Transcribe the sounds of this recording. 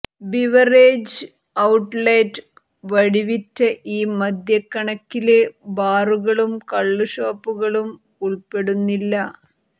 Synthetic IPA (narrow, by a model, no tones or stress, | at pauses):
biʋɐreːd͡ʑ | ɐwʈːlɐjtː | ʋɐɽiʋitːɐʔiːmɐd̪ʱjɐkːɐɳɐkːilebaːruɣɐɭumkɐɭːuɕoːpːuɣɐɭum | uɭpe̞ɽunːilːɐ